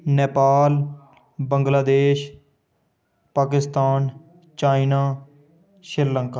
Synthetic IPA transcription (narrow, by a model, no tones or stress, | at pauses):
neːpaːl | bəŋɡlaːd̪eːʃ | paːk̬ɪst̪aːn | t͡ʃaːinaː | ʃɪɾləŋkaː